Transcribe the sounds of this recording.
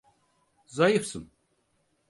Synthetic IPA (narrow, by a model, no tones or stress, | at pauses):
zɑjifsɨm